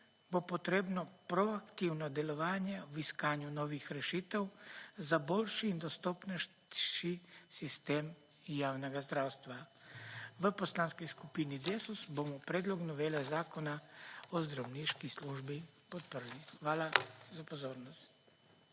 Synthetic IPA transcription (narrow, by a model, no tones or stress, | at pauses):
bopot̪ɾeːbnɔpɾɔakt̪iwnɔd̪ɛlɔʋaːnjɛwiskaːnjunɔːʋixɾɛʃiːt̪ɛwzabolʃiːnd̪ɔst̪oːpnɛʃ | ʃisist̪eːm | jaːwnɛɡazd̪ɾawst̪ʋa | ʋəposlaːnskɔjskupinid̪eːsusbomɔpɾeːd̪lɔɡnɔʋeːlɛzaːkɔnaɔzd̪ɾawniʃkisluːʒbipɔt̪̚pəɾlixʋaːlazapozoːɾnɔst̪